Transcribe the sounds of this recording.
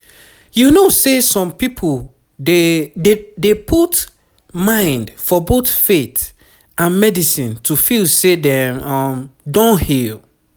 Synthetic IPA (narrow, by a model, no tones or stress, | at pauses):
junosesɔ̃mpipʰo | deddepʰut | mãɪ̃ndfɔboθfet | ʔãnmɛdisĩntʰufilsedɛ̃mɔmdɔ̃nhil